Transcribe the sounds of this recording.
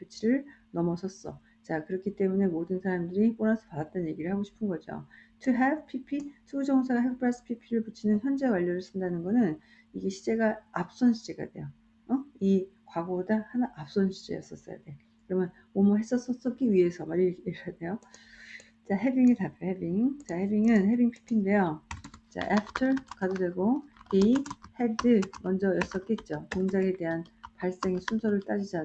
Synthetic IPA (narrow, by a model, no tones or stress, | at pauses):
pʰit͡ɕʰiɾɯɭnʌmʌsʰʌs͈ʌ̰ | t͡ɕakɯɾʌkʰit͈e̞mune̞modɯnsʰaɾamdɯɾip͈onasʰʌpadat͈̚ʌnje̞ɡiɾɯɭhaɡoɕʰi̥pʰɯnɡʌd͡ʑo̰tʰuɦepʰipʰitʰuɡud͡ʑʌŋsʰaɡaɦek̚pʰɯɾas͈ʰɯ̥pʰipʰiɾɯɭput͡ɕʰinɯnçjʌnd͡ʑekwaʎːʌɾɯɭs͈ʰɯndanɯnɡʌnɯn | iɡe̞ɕʰid͡ʑe̞ɡaap̚s͈ʌnɕʰid͡ʑeɡa̰de̞jo | ʌi | kwaɡodahanaʔap̚s͈ʌnɕʰi̥d͡ʑe̞̰jʌ̰s͈ʌs͈ʌ̰ja̰de̞ | kɯɾʌmjʌn | momuɦes͈ʌs͈ʌs͈ʌk͈iɥie̞sʰʌmaɾikʰeade̞jo | t͡ɕaɦebiŋitapjoɭhebiŋt͡ɕahebiŋɯnhebiŋpʰi̥pʰinde̞jot͡ɕa̰ʔepʰtʰʌɭkadodeɡoihedɯmʌnd͡ʑʌjʌs͈ʌk͈et̚t͡ɕ͈otoŋd͡ʑaŋede̞ɦanpaɭs͈eŋesʰunsʰʌɾɯɭt͈ad͡ʑid͡ʑa